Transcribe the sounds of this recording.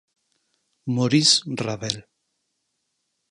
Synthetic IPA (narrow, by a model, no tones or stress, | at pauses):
moɾisraβel